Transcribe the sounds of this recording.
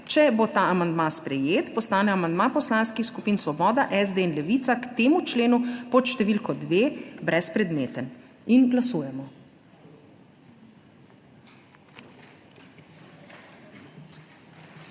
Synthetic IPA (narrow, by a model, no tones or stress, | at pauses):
t͡ʃɛbot̪aːamand̪maspɾɛjeːt̪pɔst̪aːnɛamand̪mapɔslaːnskixskupiːnsʋɔbɔːd̪aʔɛzd̪einlɛʋit̪sakt̪eːmut͡ʃleːnupɔt̪ʃt̪ɛʋilkɔd̪ʋeːbɾɛspɾɛd̪meːt̪ən | inɡlasuːjɛmɔ